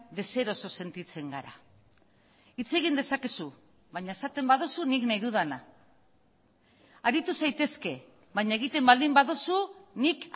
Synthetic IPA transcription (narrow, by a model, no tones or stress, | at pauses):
d̪e̞se̞ɾo̞so̞se̞nt̪it͡se̞ŋɡaɾa̰ | it͡se̞ɣind̪e̞sake̞su | βaɲaesat̪e̞mbaðusuniknajðuðana | aɾit̪usajt̪e̞ske̞ | βaɲae̞ɣit̪e̞mbald̪imbaðusunik